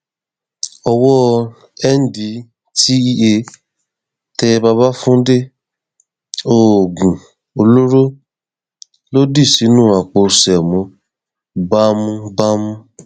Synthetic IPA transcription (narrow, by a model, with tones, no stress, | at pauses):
ɔ˧wɔ˦ | ɛ˦n̩˦di˨˦ | ti˦i˧e˧ | tɛ˧ba˧ba˦fũ˦de˦ | o˨ɡũ˨ | o˧lo˦ɾo˦ | lo˦di˦˨si˨˦nũː˦˨a˨k͡po˧˨sɛ˨mɔ̃˨˧˦ | ba˦mũ˦ba˦mũ˦